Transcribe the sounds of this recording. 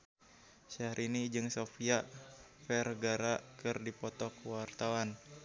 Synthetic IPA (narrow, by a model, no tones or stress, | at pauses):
ʃaɾinid͡ʒɨŋsofiafɛrɡaɾakɨrdipɔt̪ɔkwart̪awan